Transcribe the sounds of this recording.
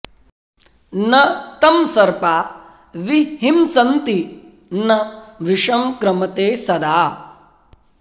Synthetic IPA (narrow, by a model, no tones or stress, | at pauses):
nɐt̪ɐmsɐɾpaː | ʋiɦimsɐnt̪i | nɐʋiʂɐmkɾɐmɐt̪eːsɐd̪aː